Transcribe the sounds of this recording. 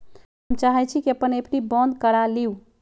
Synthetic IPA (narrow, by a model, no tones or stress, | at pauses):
əmt͡ʃaɦɛt͡ʃʰikiəpənepnibə̃nd̪kəɾaliu